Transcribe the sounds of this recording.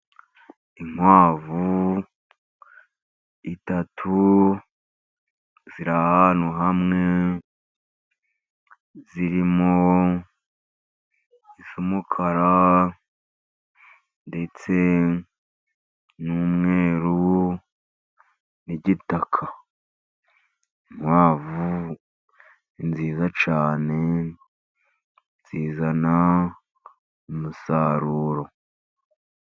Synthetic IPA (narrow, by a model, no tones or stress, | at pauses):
iŋ̥waːvu | itatʰu | ziɾahanoɦamŋe̞ | ziɾimo | isumukʰaɾa | nde̞t͡se̞ | nuːmŋe̞ːɾu | niɟitakʰa | mwaːvu | inziːzat͡ʃaːne̞ | nziːzana | umusaɾuːɾo̞